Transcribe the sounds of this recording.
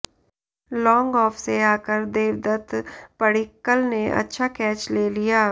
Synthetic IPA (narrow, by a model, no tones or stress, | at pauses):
lɔ̃ːŋɡɔːfseaːkəɾd̪eːʋd̪ət̪pəɽɪkːəlneʔɐ̰tːʃʰakɛːt͡ʃleːlijaː